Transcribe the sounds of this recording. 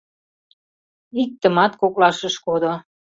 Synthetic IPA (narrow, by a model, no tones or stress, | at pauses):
ik̚t̪ə̆mɑt̪koklɑʃəʃkod̪o